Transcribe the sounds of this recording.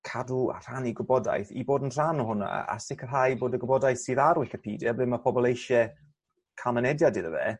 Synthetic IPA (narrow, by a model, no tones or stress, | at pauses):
kʰadua̰r̥aniɡʊbɔda̰jθḭboːdənr̥anɔɦʊna̰a̰sɪkʰərɦajboːdəɡʊbɔdajθsiːðaɾwɪɬəpʰiːdjɛblɪːnmapʰɔbɔlˠejʃɛ | kʰamənɛdjadɪðəvɛ̰